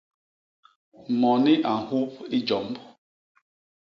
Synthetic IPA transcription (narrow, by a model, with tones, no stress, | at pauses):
mɔ˨ni˦ʔa˨hu˦pi˦d͡ʒɔ˨mb